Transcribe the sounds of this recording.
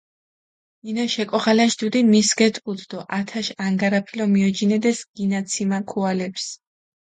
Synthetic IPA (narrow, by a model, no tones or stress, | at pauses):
inaʃɛkʼɔʁalaʃd̪ud̪imisɡɛt̪ʼqʼud̪d̪̥ɔʔat̪ʰaʃaŋɡaɾapʰilɔmiɔd͡ʒinɛd̪ɛsɡ̥inat̪sʰimakʰualɛps